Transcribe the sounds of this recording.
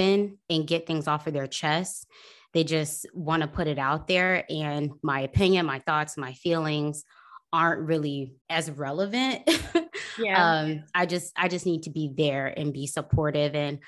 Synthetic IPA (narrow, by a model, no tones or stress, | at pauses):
ɨ̃nɨ̃nɡɛt̪̚θɪ̃ŋzɔfə˞ðə˞t͡ʃʰɛst | ðeɪd͡ʒʌstwɑ̃ñəpʰʊɾɨɾaʊt̪̚ðə˞ʔɨ̃nmaɪɨpʰɪ̃njɨ̃nmaɪθɔtsmaɪfilˠɪ̃ŋz̥ | ɑɹnʔɹɪlˠiɨzɹɛlˠəvɨ̃nt̚ | ʌ̃maɪd͡ʒʌst̚a̰ɪd͡ʒʌsnid̚tʰɨbiðə˞ɨ̰̃nbisəpʰɔɹɾɪvɨ̃n